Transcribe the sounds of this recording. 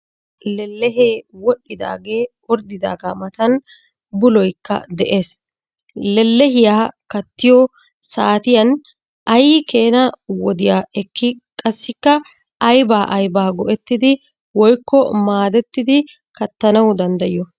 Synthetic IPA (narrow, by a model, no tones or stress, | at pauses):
lɛlːɛɦeːwɔɗːɪd̪a̰ːɡe̞ːwɔɾd̪ɪd̪a̰ːɡamɐt̪ɐn | bʊlɔjkːɐ̰d̪ɛʔe̞ːs | lɛlːɛɦɪjaːkɐt̪ːɪjɔ | saːt̪ɪjɐn | ʔɐjke̞ːnɐwɔd̪ɪjaːɛkːɪkʼɐsːɪkːɐ | ɐjbaːʔɐjbaːɡɔʔɛt̪ːɪd̪ɪ | wɔjkːɔmaːd̪ɛt̪ːɪd̪ɪ | kɐt̪ːɐnɐwd̪ɐnd̪ɐjɔ